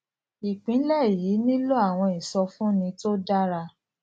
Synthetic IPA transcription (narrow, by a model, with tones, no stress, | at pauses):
i˨k͡pĩ˨˦lɛ˦˨ji˨˦nĩ˦lo˦a˦˨w̃ɔ̃˧i˨sɔ˧fũ˦nĩ˧to˦da˦ɾa˧